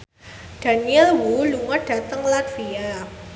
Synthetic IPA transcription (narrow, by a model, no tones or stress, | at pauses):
d̥a̤niɛlwuluŋaɖ̥a̤t̪əŋlat̪fia